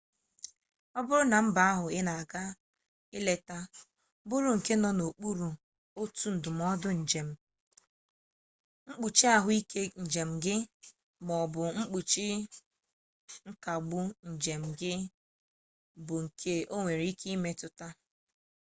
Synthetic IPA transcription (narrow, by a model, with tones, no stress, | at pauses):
ɔ˦bʊ˦ɾʊ˦na˨m̩˦ba˨a˦ɦʊ˨ɪ˦na˨a˨ɡa˦ | ɪ˦le˨ta˦ | bʊ˦ɾu˨ŋ̩˨ke˦nɔ˨no˨k͡pu˦ɾu˨ | o˦tu˦n̩˨dʊ˨m˨˦ɔ˦dʊ˦n̩˨d͡ʒe˨m̩˨ | ŋ͡m̩˦k͡pu˨t͡ʃi˦a˦ɦʊ˦i˦ke˦n̩˨d͡ʒe˨m̩˨ɡɪ˦ | mɔ˨bʊ˨ŋ͡m̩˦k͡pu˨t͡ʃi˦ | ŋ̩˦ka˨ɡ͡bʊ˦n̩˨d͡ʒe˨m̩˨ɡɪ˦ | bʊ˨ŋ̩˨kʰe˦o˦ŋʷe˨ɾi˦kʰi˦i˦me˦tʊ˨ta˦